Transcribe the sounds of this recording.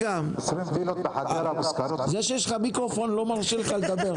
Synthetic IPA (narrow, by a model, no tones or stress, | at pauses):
am | zeʃejeʃχamikʁofo̞nlo̞maʁʃelχaled̪abeʁ